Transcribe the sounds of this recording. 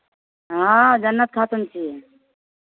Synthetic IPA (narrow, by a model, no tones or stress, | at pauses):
ɦãd͡ʒənːət̪̚kʰaːt̪umt͡ʃʰiː